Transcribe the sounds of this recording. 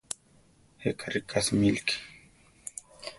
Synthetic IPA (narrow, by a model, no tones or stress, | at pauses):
hekʰaɾikʰasmilki̥